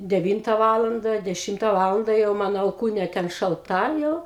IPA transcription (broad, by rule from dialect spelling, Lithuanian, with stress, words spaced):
dʲɛˈʋʲiːntɐ ˈʋɑːlˠɐndɐ dʲɛˈʃʲɪmtɐ ˈʋɑːlˠɐndɐ jɛʊ ˈmɑːnoː ɐlˠˈkuːnʲeː ˈtʲɛn ʃɐlˠˈtɐ ˈjɛʊ